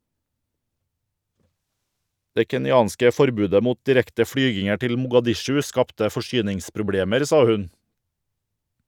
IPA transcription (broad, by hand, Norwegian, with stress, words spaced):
ˈdeː kɛnɪˈɑːnskə ˈfɔɾˌbʉːdə ˈmuːt dɪˈɾɛktə ˈfɽyːɡɪŋəɾ ˈtɪl mʊɡɑˈdɪʃʉ ˈskɑptə fɔˈʃyːnɪŋspɾʊˌbɽeːməɾ ˈsɑː ˈhʉn